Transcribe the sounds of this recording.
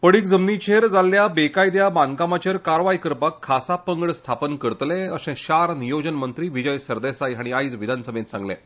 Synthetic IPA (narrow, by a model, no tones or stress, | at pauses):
pəɽiːkd͡zəmnit͡ɕʰeɾd͡zalːjabekajd̪jabaŋkamat͡ɕəɾkaɾʋajkəɾpakʰːasapəŋɡɭst̪ʰapənkəɾt̪lɛəsɛ̃ɕaɾnijod͡ʑənmənt̪ɾiːʋid͡ʑəjsəɾd̪esajɦaɽ̃iajd͡zʋid̪ʱansəmẽnsã̰ŋɡlɛ̰̃